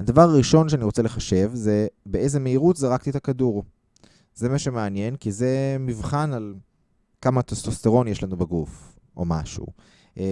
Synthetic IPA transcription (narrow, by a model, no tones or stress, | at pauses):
hadavaʁaʁiʃo̞nʃeaniʁo̞t͡seleχaʃe̞vze̞beeze̞meiʁut̪zeʁakt̪iet̪akaduʁ | ze̞maʃemeanje̞nkize̞mivχanal | kamat̪ost̪ost̪eʁo̞njeʃlanubaɡuf | ʔo̞maʃṵ